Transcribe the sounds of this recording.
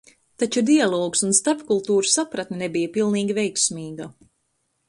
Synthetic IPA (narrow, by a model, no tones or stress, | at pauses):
t̪at͡ʃud̪ijalˠɔːksunst̪aɾpkulˠt̪uːɾusapɾat̪nenɛbijapilˠniːɡʲivɛjksmiːɡa